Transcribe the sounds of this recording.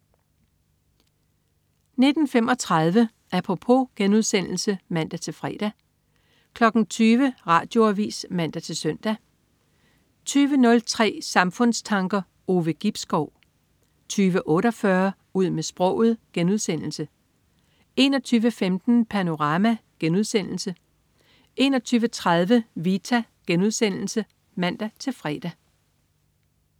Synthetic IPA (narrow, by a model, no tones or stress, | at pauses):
ne̝d̥n̩fem̰ɒ̽t͡sʰʁɑð̞ˠʋə | ʔæpʰʁo̝pʰo̝ɡ̥enuðˠsen̰l̩səmæn̰d̥æt͡sʰe̝lfʁɛ̰ːd̥æ | kʰlɒ̽ɡ̥n̩t͡sʰyːʋəʁɑ̈ːd̥jo̝æʋḭːsmæn̰d̥æt͡sʰe̝lsœn̰d̥æ | t͡sʰyːʋənɔ̽lt͡sʰʁɛ̰ːsɑ̈mfɔ̽n̰st͡sʰɑ̈ŋɡ̥ɐ | o̝ːʋəɡ̥ib̥sɡ̥ɒʊ̰ | t͡sʰyːʋəʔɔ̽ːɾɒfɶɐ | uð̞̰ˠmesb̥ʁɔ̽ʊ̰ð̩ˠɡ̥enuðˠsen̰l̩sə | e̝nɒ̽t͡sʰyːʋəfemd̥n̩pʰæno̝ʁɑ̈ːmæɡ̥enuð̞ˠsen̰l̩sə | ʔe̝nɒ̽t͡sʰyːʋət͡sʰʁɑðˠʋəʋit͡sʰæɡ̥enuð̞ˠsen̰l̩sə | mæn̰d̥æt͡sʰe̝lfʁɛ̰ːd̥æ